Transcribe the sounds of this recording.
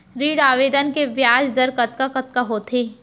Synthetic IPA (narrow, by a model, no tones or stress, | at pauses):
ɾiːɽaːʋeːd̪ənkeʋjaːd͡ʒd̪əɾkɐt̪kakɐt̪kaɦoːt̪ʰeː